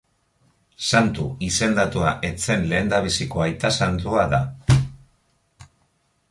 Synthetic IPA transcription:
sant̪uise̞nd̪at̪uaʔe̞t͡se̞nle̞ːnd̪aβisiko̞ajt̪asant̪uaða

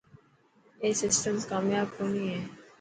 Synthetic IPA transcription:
esɪsʈəmskɔmjabkonie

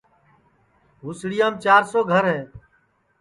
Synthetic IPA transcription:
ɦuːsɽɪjãːmt͡ʃaːɾsoːɡʱəɾɦɛː

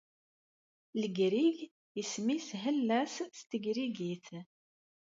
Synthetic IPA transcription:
ləɡɾiʝ | əsmisɦəlːæsst̪əɡɾiɡiθ

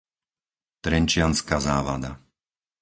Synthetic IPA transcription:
t̪ɾɛnt͡ʃɪanskazaːʋa̰d̪a̰

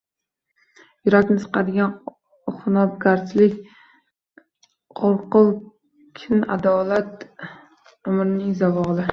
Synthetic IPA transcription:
jʊɾat̪ʲnɪsʰɨ̥qʰɑd̪ɪɡʲan | χʊnɒb̚ɡaɾslɪkʲ | qʰoɾqʊlˠ | kʲʰɪna̰d̪ɒlat̪ | ʊmɾɪnɪŋzavɒlɪ

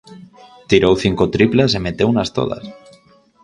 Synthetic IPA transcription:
t̪iɾowθiŋkot̪ɾiplas̬emet̪ewunast̪o̰ð̞a̰s

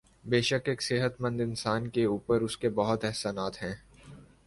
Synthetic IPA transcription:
beːʃəkeːksɪɦət̪mə̃nd̪ɪnsaːnkeuːpəɾʊskebɐɦʊt̪ɛɦsaːnaːt̪ɦɛ̃ː

